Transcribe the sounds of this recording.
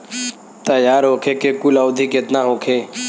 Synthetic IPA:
t̪əjaːɾɦoːkʰeːkekʊlawd̪ʱiket̪nãːɦoːkʰeː

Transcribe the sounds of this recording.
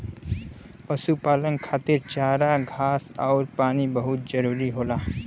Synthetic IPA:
pɐsupaːlənkʰaːt̪ɪɾt͡ʃaːɾaɡʱaːsɔːɾpaːnibɐɦʊt̪̚zɐɾuːɾiɦoːlaː

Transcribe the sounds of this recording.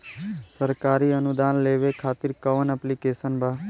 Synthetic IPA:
səɾkaɾiənud̪anleʋekʰaːt̪iɾkəʋənɛplikesənbʱa

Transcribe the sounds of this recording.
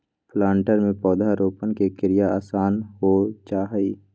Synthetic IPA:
pʰlaːɳʈəɾmẽpɔːd̪ʱaɾoːpənkekɪɾɪjaaːsaːnɦot͡ʃaːɦi

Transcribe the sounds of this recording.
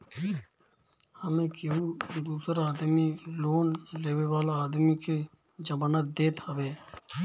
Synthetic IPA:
həmẽkeud̪uːsəɾaːd̪miloːnleːʋeʋaːlaaːd̪mikʰe | d͡ʒəmaːnət̪̚d̪eːt̪əʋeː

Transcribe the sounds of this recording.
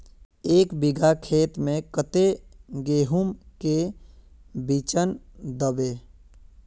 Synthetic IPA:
eːkbiɡʱakʰeːt̪mẽkət̪eɡeːɦumke | bit͡ʃənd̪əbeː

